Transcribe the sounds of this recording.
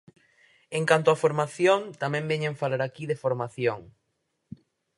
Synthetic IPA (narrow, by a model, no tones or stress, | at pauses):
eŋkant̪ʊafoɾmaθjoŋt̪amɛ̃mbeɲẽɱfalaɾakiðefoɾmaθjoŋ